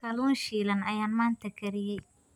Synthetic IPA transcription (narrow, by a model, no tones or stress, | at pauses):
kʰɐluːnʃiːlɐnɐjaːnmaːnt̪ʰɐkʰɐɾɪjɛj